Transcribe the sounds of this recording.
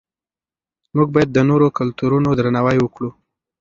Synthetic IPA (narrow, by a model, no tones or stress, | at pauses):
muɡ̚bɑjad̪̚ːənoɾokʊlt̪uɾunod̪ɾanawajwəkɽu